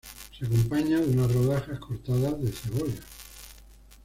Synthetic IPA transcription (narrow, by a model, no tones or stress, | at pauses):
seakompaɲaðunaroð̞axahkʰo̞ɾt̪aðazðe̞θeɣolja